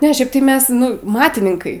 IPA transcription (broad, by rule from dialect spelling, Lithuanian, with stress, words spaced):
ˈnʲɛ ˈʃʲɛɪp tɐɪ ˈmʲɛs ˈnʊ ˈmɑːtʲɪnʲɪŋkɐɪ